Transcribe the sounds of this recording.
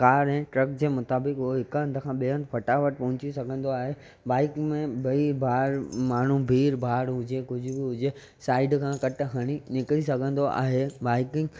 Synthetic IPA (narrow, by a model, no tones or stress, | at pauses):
kaːɾɦɛ̃ːʈɾɐkd͡ʑeːmʊt̪aːbɪkɦʊoɦɪkɐ̃nd̪ʱəkʰãːɓeə̃nd̪pʰɐʈaʋɐʈ̚pɐɦʊ̃t͡ɕisɐɡʱə̃nd̪oaːɦe | baːɪkmẽbɐibʱaːɾmaːɳ̤ubʱiːɾbʱaːɾɦʊd͡ʑekʊd͡ʑʱʊbɪɦʊd͡ʑe | saːɪɖkʰãːkɐʈ̆ɦɐɽ̃inɪkɽisɐɡʱə̃nd̪oʔa̰ːɦebaːɪkɪ̃ŋɡ